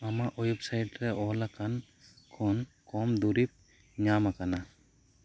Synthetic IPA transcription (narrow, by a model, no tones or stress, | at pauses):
amaʔujup̚sajʈɾɛʔɔlakʰan | kʰɔnkɔmd̪uɾip̚ | ɲamakana